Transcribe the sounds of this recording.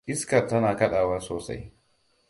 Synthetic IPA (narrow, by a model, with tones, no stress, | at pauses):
ʔɪ˦skɐ˨rtɐ˦naː˨kɐ˦ɗaː˨wɐ˦soː˨sa̰˦j